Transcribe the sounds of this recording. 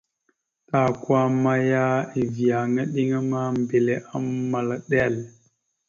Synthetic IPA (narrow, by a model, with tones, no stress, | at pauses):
ta˨kwa˦ma˦ja˦i˨vi˨a˨ŋa˦ɗi˦ŋa˦ma˦m˨be˨le˨ʔa˦mmːa˨la˨ɗɛ˦˨l